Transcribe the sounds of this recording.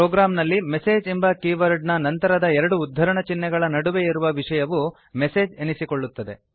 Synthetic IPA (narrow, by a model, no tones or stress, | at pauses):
ɾoːɡɾaːmnɐlːimese̞ːd͡ʒembɐkiʋɐɾɖnɐnɐnt̪ɐɾɐd̪ɐɛɾɐɽuːd̪ʱːɐɾɐɳɐt͡ʃinːɛɡɐɭɐnɐɽuʋeiɾuʋɐʋiʂɐjɐʋu | mese̞ːd͡ʒenisiko̞ɭːut̪ːɐd̪e̞